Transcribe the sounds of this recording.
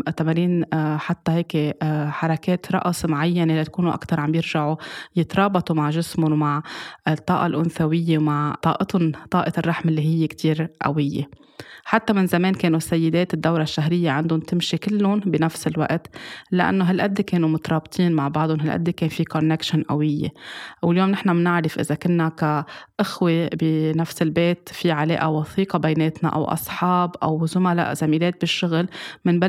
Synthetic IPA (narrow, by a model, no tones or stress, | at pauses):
t̪amaɾiːnħat̪ːaheːkeħɑɾˤɑkeːt̪ɾˤɑ̰ʔsˤmʕajːanelat̪ḁkuːnuʔa̰kt̪ɑɾˤʕambjɪɾʒaʕujɪt̪ɾˤɑːbɑt̪ˤumaʕʒɪsmʊnmaʕɪt̪ˤːɑ̰ːʔɑlʔʊnθawɪjːemaʕt̪ˤːɑːʔɪt̪ʊnt̪ˤɑːʔɪt̪rˤːɑħmɪlːiɦɪjːekt̪iːɾʔa̰wɪjːe | ħat̪ːamɪnzameːnkeːnusːajːɪd̪eːt̪ɪd̪ːawɾaʃːaɦɾɪjːeʕand̪ʊnt̪ɪmʃikɪlːʊnbɪnafsɪlwa̰ʔt̪laʔa̰nːoɦalʔad̪ːekeːnumʊt̪ɑɾˤɑːbt̪ˤʰiːnmaʕbɑʕd̪ˤʊnɦalʔa̰d̪ːekeːnfikonːekʃɪnʔa̰wɪjːḛwɪljoːmnɪħnamnɪʕɾɪfʔɪ̰zakʊnːakaʔɪxwebɪnafsɪlbeːt̪fiʕalḛːʔawɑθiːqɑbajneːt̪na̰ʔa̰wʔɑ̰sˤħɑːbʔa̰wzʊmala̰ʔz̥amiːleːt̪̚bɪʃːʊɣlmɪnba